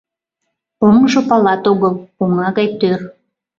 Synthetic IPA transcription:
omʒopɑlɑt̪oɣəlpuŋɑɣɑjt̪ør

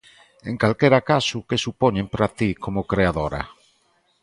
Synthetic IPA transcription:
eŋkalkeɾakasukesupoɲẽmpɾat̪ikʰomokɾeaðoɾa̰

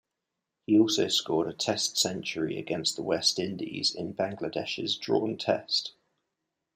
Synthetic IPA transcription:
hiɔˑlˠsəʊskɔːɾətʰɛstsɛ̃nt͡ʃəɹḭə̰ɡɛ̃nsðəwɛstɪ̃ndḭz̥ɪ̰̃nbãŋɡlədɛʃə̰zdɹɔ̰ːntʰɛ̰st

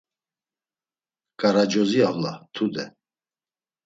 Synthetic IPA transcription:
kʼaɾad͡ʒɔziavlat̪ʰud̪ɛ

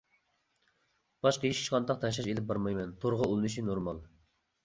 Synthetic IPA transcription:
b̥ɑʃqəiʃi̥ʃqɑnt̪ɑq̚t̪ʰɛʃ̬lɑʃelɪp̚bɑɾmɑjmɛnt̪ʰoɾʁɑolˠɨnɨʃinoɾmɑlˠ

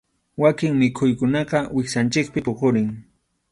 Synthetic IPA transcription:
wakɪŋmɪkʰʊjkʊnɑqɑwɪksant͡ʃɪk̚pɪpoqʊɾɪŋ

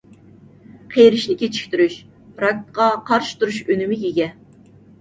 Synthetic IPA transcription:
qʰejɾɪʃnɪkʲet͡ʃʰi̥kʲt̪yɾyʃ | ɾɑk̪̚ʲqɑqʰɑɾʃɪ̥t̪ʰuɾuʃønymɪjʲeɡʲɛ

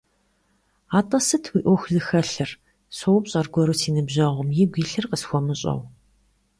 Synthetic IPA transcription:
aːtʼɐsɨtʰwiːʔʷɔxʷɮɨxɐɬɨr | sowpɕʼɐrɡʷɔɾɨsʰiːnɨbʑɐʁʷʊmjiːɡʷiːɬɨrqəsxʷɔmɨɕʼɐ̰w

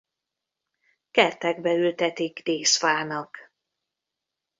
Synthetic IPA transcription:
kɛrt̪ɛɡbɛylt̪ɛt̪iɡd̪eːsfaːnɒk

